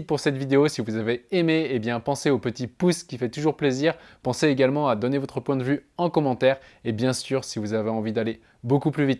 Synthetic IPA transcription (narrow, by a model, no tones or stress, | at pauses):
puʁsɛt̪vid̪eosivuzaveemeːbjɛ̃pɑ̃seopət̪ipuskʲifɛt̪uʒuʁpleziʁpɑ̃seeɡalmɑ̃ad̪ɔnevɔt̪χəpwɛ̃d̪əvyɑ̃kɔmɑ̃t̪ɛʁebjɛ̃syʁsivuzaveɑ̃vid̪ale | bokuplyvit̪